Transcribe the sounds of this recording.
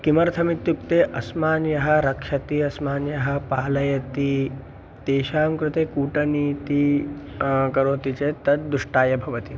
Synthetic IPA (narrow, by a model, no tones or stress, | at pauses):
kimɐɾt̪ʰɐmit̪jukt̪eːʔɐsmaːnjɐɦɐ̆ɾɐkʂɐt̪iɐsmaːnjɐɦɐ̆paːlɐjɐt̪i | t̪eːʃaːmkɾut̪eːkuːʈɐniːt̪i | kɐɾoːt̪it͡ʃeːt̪ɐt̪̚d̪uʂʈaːjɐbʱɐʋɐt̪i